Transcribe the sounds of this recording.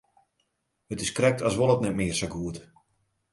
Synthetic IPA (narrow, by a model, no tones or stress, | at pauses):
hətɪskrɛk̚tʰasʋolˠətnɛtmɪərsaɡuət